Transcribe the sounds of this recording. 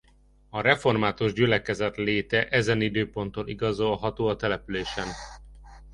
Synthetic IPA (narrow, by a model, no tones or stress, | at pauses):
ɒɾɛfo̞rmaːt̪uʒɟylɛkɛzɛt̪leːt̪ɛʔɛzɛnid̪øːpo̞nt̪oliɡɒzo̞lɦɒt̪oːɒt̪ɛlɛpyleːʃɛn